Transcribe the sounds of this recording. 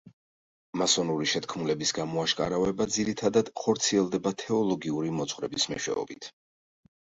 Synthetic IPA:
masɔnuɾiʃɛt̪kʰmulɛbisɡamɔaʃkʼa̰ɾavɛbad̪ziɾit̪ʰad̪ad̪̥χɔɾt̪sʰiɛlˠd̪ɛbat̪ʰɛɔlˠɔɡiuɾimɔt̪sʰχwɾɛbismɛ̰ʃwɛ̰ɔ̰bit̪ʰ

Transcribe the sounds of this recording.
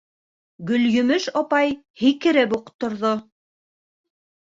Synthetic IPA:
ɡɵ̆ljɵ̆mɘʃɒpɑj | hikɘ̆ɾɘpuqt̪ːŏɾðo

